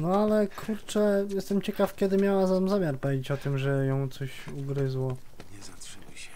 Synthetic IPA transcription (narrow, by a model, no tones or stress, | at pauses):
nɔalɛkʰuɾt͡ʂɛjɛst̪ɛmt͡ɕɛkafkʲjɛd̪ɘmʲjawazaamzamʲjaɾpɔvʲjed͡ʑet͡ɕɔt̪ɘmʐɛjɔ̃w̃t̪sɔɕuɡɾɘzwɔ | ɲɛzat̪ʂniɕɛ